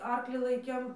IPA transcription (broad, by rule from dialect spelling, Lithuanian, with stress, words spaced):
ˈɐrklʲiː ˈlˠɐɪkʲeːm